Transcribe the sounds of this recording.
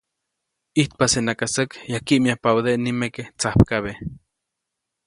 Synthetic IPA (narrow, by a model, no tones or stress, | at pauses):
iht̪̚pasenakasakjakiʔmiahpawðeʔnimeket͡sahpkaβe